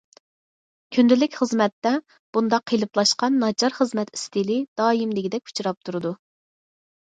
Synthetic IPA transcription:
kʲʰynd̪ɪlɪkʲχəzmɛt̪ːɛ | b̥und̪ɑqʰːijlˠɨplˠɑʃqɑnːɑd͡ʒɑɾχəzmɛt̪i̥st̪ilɪd̪̥ɑːjimlɪɡʲid̪ɛkʲu̥t͡ʃʰuɾɑp̚t̪ʰuɾɨd̪u

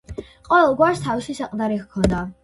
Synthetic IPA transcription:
qʼɔvɛlˠɡwaɾst̪ʰaviswisaq̪ʼd̪aɾikkʰɔnd̪a

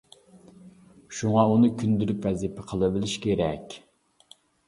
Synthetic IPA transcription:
ʃuŋɑunɨkʲʰynd̪yɾypvɛzipʰɛqʰəlˠɨbɪlɪʃkʲʰeɾɛkʲ

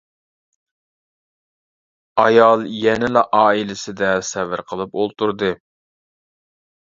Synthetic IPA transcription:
ɑjɑlˠjɛnɪlɑʔɑːilɪsɪd̪ɛsɛvɪɾqʰəlˠɨpolˠt̪uɾd̪ɨ

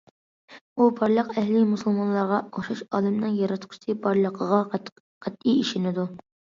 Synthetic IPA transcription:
ubɑɾlˠəqɛhlimusulˠmɑnlˠɑɾʁɑqoʃuʃɑ̰ːlˠɪmnɨŋjɑɾɑt̪qʰʊ̥ʃt̪ʰɪbɑɾlˠəqʰəʁɑ | qʰæt̪ːijiʃɪnɪd̪u

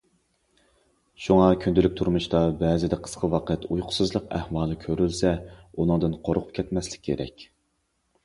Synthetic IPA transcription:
ʃuŋɑkʲʰynd̪ɪlykʲt̪ʰuɾmuʃt̪ɑbɛzɪd̪ɛqʰə̥sqʰəwɑːqʰət̪ujqʰʊ̥sɨzlˠəqæ̰hwɑːlˠɨkʲʰøɾylsɛunɨŋd̪ɨnqʰoɾqʰʊp̚kʲʰɛt̪mɛslɪ̥kʲʰːeɾɛ̰kʲ

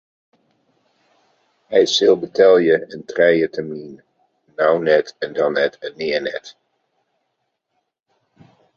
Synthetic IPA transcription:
ɦɛjsɪlˠbətɛlˠjəəntrɛjətɛɹminː | awnɛtɛndɑnɛtɛnːɪːɹnɛ̰t

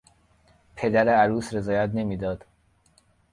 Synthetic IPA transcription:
pʰe̞d̪æɾeæɾuːsɾe̞zɒːjæt̪ne̞miːd̪ɒːd̪̥

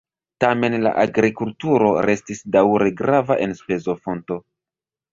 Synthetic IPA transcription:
tame̞nla̰ʔaɡɾikultuɾo̞ɾe̞stisdawɾe̞ɡɾavaʔe̞nspe̞zo̞fo̞nto̞

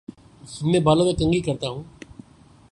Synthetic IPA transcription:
ɐmːẽbaːlomẽkɐ̃ŋɡikɐɾt̪aɦũː

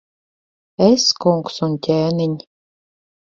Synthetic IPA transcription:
eskuŋksunt̪ʲæːnɘnʲ

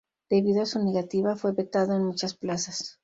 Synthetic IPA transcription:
d̪̥e̞βiðoasuneɣat̪iβafweβet̪aðoenmut͡ʃasplasas

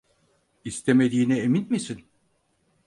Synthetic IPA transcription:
ist̪ʰeme̞d̪iːnɛeminmisin

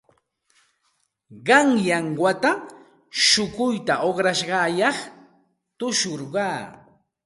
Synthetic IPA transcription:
ɢɑŋjaŋwat̪a | ʃʊkʊjt̪aʔoχɾaʃɢɑːjɑχ | t̪ʊʃoɾɢɑː

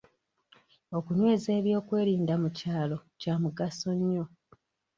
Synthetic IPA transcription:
o̞kunwe̞ːze̞ːβjo̞ːkwe̞ːɾiːndamucaːlo̞camuɡaso̞ɲːo̞

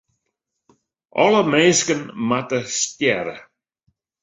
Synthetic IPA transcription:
ɔ̰ləmeːskənmatəstjɛɾə̰

